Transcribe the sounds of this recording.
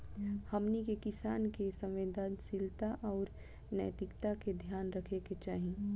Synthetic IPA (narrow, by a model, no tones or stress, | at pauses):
hɐmnikekɪsaːnkesə̃mʋeːd̪ʱaːnsɪlt̪aʔɔːɾ | nə̰jt̪ɪkt̪aked̪ʱjaːnɾəkʰeket͡ʃaːɦĩ